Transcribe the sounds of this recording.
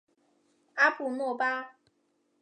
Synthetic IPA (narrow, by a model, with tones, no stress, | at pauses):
a˦pʰu˨nwɔ˥˨pa˦